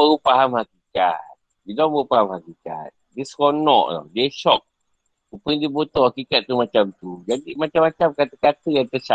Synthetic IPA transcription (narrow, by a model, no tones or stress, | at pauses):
əupaɦamhakika̰t̪̚ | bidɔmbəɣupaɦamhakika̰t̪̚diskɔnɔ̰ʔlɔ̰deʃɔk̚ | upədibot̪ɔhakikat̪̚ːumat͡ʃamt̪ud͡ʒadimat͡ʃamːat͡ʃamkat̪əkat̪əjant̪əsa